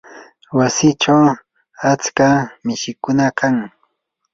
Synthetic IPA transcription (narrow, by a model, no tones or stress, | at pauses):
wasɪt͡ʃaw | at͡skamɪʃɪkʊnakaŋ